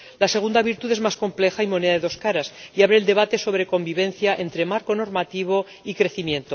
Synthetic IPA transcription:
lase̞ɣund̪aβiɾt̪uðe̞zmasko̞mple̞xaimo̞ne̞ðaðe̞ðo̞skaɾasiaβɾe̞ːld̪e̞β̞at̪e̞so̞β̞ɾe̞ko̞mbiβe̞n̟θjaʔent̪ɾe̞maɾko̞no̞ɾmat̪iβ̞o̞ | ikɾe̞θimjẽ̞nt̪o̞

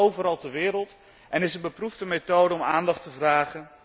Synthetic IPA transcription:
owvəɾɑlˠtəɹʋɪːɾəlˠt | ʔɛnɪsənbəpruvdəmetowdəɔmaːndɑχtəvraːχən

